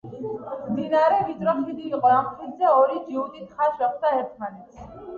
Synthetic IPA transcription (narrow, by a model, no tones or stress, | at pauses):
d̪inaɾɛbit̪ʼɾɔχid̪iiqʼɔɾaχt̪ʰit̪zɛɔɾid͡ʒiut̪it̪ʰχaʃɾɔk̚ʰt̪aɦɛɾt̪ʰmanɛt̪ʰ